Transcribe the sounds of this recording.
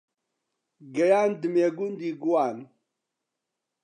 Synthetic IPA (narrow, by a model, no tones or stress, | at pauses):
ɡɐjandɨmeɡundiɡuwan